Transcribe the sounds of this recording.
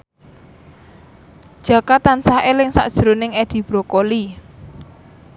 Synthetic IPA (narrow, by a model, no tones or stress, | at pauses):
d̥ʒ̥a̤kat̪ansaɦelɪŋsa̰ʔd̥ʒ̥ɾonɪŋed̪̥i̤b̥ɾokoli